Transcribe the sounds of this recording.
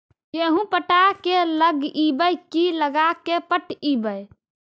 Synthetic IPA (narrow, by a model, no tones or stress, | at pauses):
keɦũpəʈakeləɡibəjkiləɡakepəʈibəj